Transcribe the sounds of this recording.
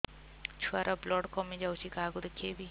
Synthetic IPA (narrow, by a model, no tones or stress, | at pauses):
t͡ʃʰuaɾʔablɔɽkɔmid͡ʒawt͡ʃikaɡud̪kʰebi